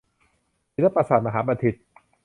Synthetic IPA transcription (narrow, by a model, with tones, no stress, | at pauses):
i˨˩la˥pːa˧˩saː˨˩t̪̚ma˧ɦaː˩˥pa˧t̪ʰi˨˩t̪̚